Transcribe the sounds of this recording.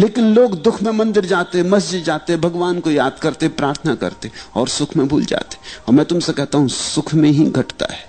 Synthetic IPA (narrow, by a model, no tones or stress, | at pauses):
leːkɪnloːɡd̪ʊkʰmẽmɐ̃nd̪ɪɾd͡ʒaːt̪eɦɛ̃mɐsd͡ʒɪd̪d͡ʒaːt̪eɦɛ̃bʱɐɡʋaːnkojaːd̪̚kɐɾt̪eɦɛ̃pɾaːɾt̪ʰənakɐ̰ɾt̪eɔːɾsʊkʰmẽbʱuːld͡ʒa̰ːt̪eɦɛ̃ɔːɾmɛ̃ːt̪ʊmsekɛɦt̪aɦũsʊkʰmẽɦiɡʱɐʈt̪a̰ɦɛː